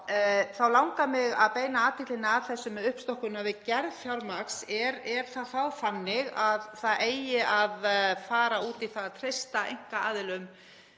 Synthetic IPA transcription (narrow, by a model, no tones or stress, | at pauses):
θawlawŋkamɪɣaðpeːjnaaːt̪ʰɪklɪnaːðθɛsːʏmðʏhpst̪ɔhkʏnavɪðcɛɾðfjawɾmaksɛɾɛɾ̥θaðθawfanːɪɣaðθaðeːjjɪʔaðfaːɾauːt̪iθaðat̪ʰɾejst̪aḛjŋ̥kaa̰ːðɪlʏm